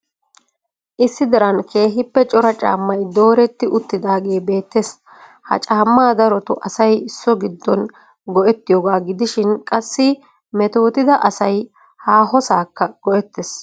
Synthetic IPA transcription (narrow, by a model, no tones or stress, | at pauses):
ʔɪsːɪd̪ɐɾɐnkʰe̞ːɦɪpːɛt͡ʃʼɔɾɐt͡ʃʼa̰ːmːɐjd̪o̞ːɾɛt̪ːɪʔʊt̪ːɪd̪aːɡe̞ːbe̞ːt̪ːes | hɐ̰t͡ʃʼaːmːaːd̪ɐɾɔt̪ʊʔɐsɐjɪsːɔɡɪd̪ːɔn | ɡɔʔɛt̪ːɪjoːɡaːɡɪd̪ɪʃɪnkʼɐsːɪ | mɛt̪o̞ːt̪ɪd̪ɐʔɐsɐj | haːɦɔsaːkːɐɡ̥ɔʔɛt̪ːes